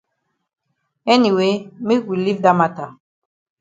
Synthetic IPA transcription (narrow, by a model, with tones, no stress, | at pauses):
ɛ˦ni˨we˨˦mi˦ɡʷi˨li˦vd̪a˦ma˦t̪a˨